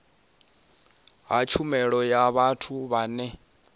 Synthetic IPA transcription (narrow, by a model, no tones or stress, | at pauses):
ɦat͡ʃʰumɛɺɔjaβatʰuβaːnɛ